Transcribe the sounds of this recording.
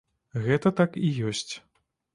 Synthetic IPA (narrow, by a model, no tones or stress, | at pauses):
ɣɛt̪ɐt̪akijɔsʲt͡sʲ